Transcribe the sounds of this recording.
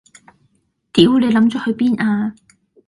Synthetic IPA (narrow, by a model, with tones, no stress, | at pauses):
t̪iː˨˥wne˨˧jlɐ˨˧˥mt͡ʃɔː˧hɵ˨˧ɥpiː˥naː˧